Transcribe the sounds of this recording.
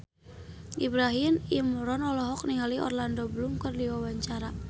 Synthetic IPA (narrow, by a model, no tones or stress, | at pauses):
ʔibɾaɦinimɾɔnɔlɔɦɔk̚niɦaliʔɔ̰rlandɔbəlumkərdiwawaɲt͡ʃaɾa